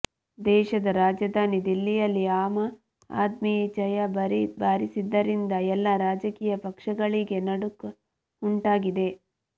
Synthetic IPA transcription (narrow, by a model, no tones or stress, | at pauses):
d̪ɛːʃɐd̪ɐɾaːd͡ʒɐd̪aːnid̪ilːijɐlːiaːmɐ | a̰ːd̪mit͡ʃɐjɐɾbaːɾisid̪ːɐɾind̪ɐɛlːɐɾaːd͡ʒɐkiːjɐpɐkʂɐɡɐɭiɡe̞nɐɽuk | uɳʈaːɡid̪e̞